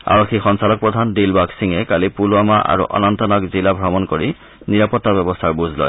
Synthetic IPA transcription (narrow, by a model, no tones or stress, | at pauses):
a̰ɹɔkʰːixɔnsalɔk̚pɹɔd̪ʱandilbaksiŋɛkalipuluamaʔa̰ɹṵʔɔ̰nɔnt̪ɔnɔkzilabʱɹɔmɔnkoɹi | niɹapɔt̪ːabɛbɔst̪ʰaɹbuzʱlɔ̰j